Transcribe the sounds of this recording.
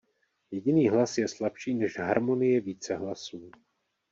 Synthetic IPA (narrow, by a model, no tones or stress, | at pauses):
jɛɟɪniːɦlasjɛslapʃiːnɛʃɦaɾmo̞nɪjɛviːt͡sɛɦlasuː